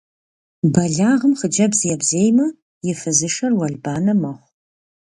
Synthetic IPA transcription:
bɐɮaːʁəmχəd͡ʒɐbzijɛbzeːjmɐ | jɪfɨzɨʃɐrwɐɮbaːnɐmɐʁʷ

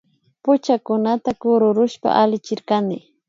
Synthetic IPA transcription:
pʊt͡ʃakʊnat̪akʊɾʊɾʊʃpa̰ʔalɪt͡ʃɪɾkanɪ

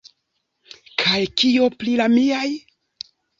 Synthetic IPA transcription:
kʰajkio̞plilamiaj

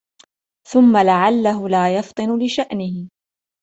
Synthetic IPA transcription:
θʊmːalaʕalːaɦʊlaːjɑft̪ˤɨnʊlɪʃaʔnɪhɪ

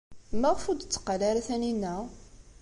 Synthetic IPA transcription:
mæʁfud̪t͡sːə̥qːalaɾæθæninːæ

